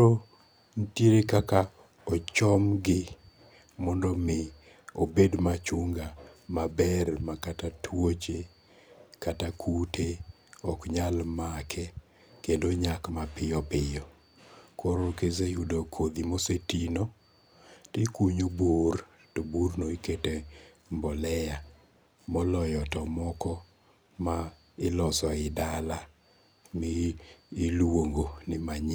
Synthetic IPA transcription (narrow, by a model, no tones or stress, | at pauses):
o | n̩tjeɾekaka | ɔt͡ʃɔmɡɪ | mɔndɔmɪ | obedmat͡ʃʊŋɡamabɛrmakatatʰwot͡ʃe | katakʰutʰe | ɔkɲalmakʰɛ | kendoɲakmapɪjɔpɪjɔ | koɾokesejudokʰod̪imosetino | tɪkuɲobor | toburnoikete | mbɔlɛja | mɔlɔjɔtɔmɔkɔ | ma | ɪlɔsɔɪdala | mɪː | lwoŋɡonɪmaɲ